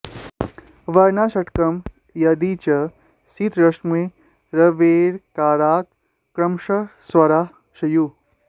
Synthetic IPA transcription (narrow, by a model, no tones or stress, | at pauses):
ʋɐɾnaːʃɐʈkɐm | jɐd̪it͡ʃɐ | sit̪ɾɐʂmue | ɾɐʋeːɾkaːɾaːkː | ɾɐmʃɐsʋɐɾaː | ʃɐju